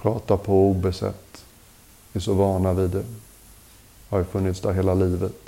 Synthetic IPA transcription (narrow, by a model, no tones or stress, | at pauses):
pʰɾɑːt̪apʰɔuːbɛsɛ̰t̪ː | ɛsɔvɑːɳavɪd̪ɛ | hajfɵnːɪt̪sd̪æɾɦeːlaliːvət̪